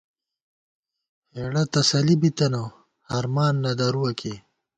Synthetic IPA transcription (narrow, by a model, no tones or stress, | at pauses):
heːɽɐt̪ɐsɐlibit̪ɐno | hɐɾmaːnːɐd̪ɐɾuwɐkʰi